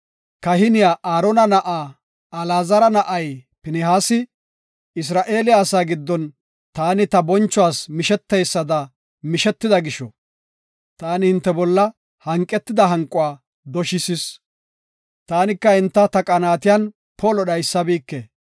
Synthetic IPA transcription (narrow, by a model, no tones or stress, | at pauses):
kɐhɪnɪjaːʔaːɾɔnɐnɐʔaː | ɐlaːzɐɾɐnɐʔɐjpɪnɛɦaːsɪ | ɪs̬ɾaːʔe̞ːlɪaːsaːɡɪd̪ːɔn | t̪aːnɪt̪ɐbɔnt͡ʃːʊwaːsmɪʃɛt̪ːɛjsːɐd̪ɐ | mɪʃɛt̪ːɪd̪ɐɡɪʃɔ | t̪aːnɪhɪnt̪ːɛbɔlːɐ | hɐŋkʼːɛt̪ːɪd̪ɐɦɐŋkʼʊwaː | d̪ɔʃɪsɪs | t̪aːnɪkːɐhɪnt̪ːɐt̪ɐkʼɐnaːt̪ɪjan | pʰɔlɔɗɐjsːɐbiːkːe